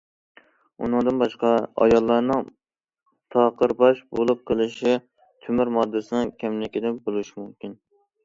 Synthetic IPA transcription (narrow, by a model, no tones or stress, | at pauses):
ṵnɨŋd̪ɨnbɑʃqɑɑ̰jɑlˠːɑɾnɨŋ | t̪ʰɑqəɾbɑʃbolˠup̚qʰəlˠɨʃɪ | t̪ʰymyɾmɑd̪ːɪsɨnɨŋkʲʰɛmlɪkʲɪd̪ɛbolˠuʃɪmumkʲin